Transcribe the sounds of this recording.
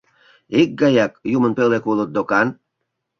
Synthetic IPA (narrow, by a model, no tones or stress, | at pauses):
ik̚ɡɑjɑkjumənpølekulət̪̚d̪okɑn